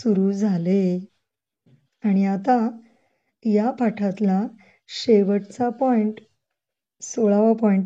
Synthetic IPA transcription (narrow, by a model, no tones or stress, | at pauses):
suɾuːd͡zʱale | aɽ̃iat̪a | japaʈʰat̪la | ɕeʋəʈt͡sapɔiɳʈ | soɭaʋapɔiɳʈ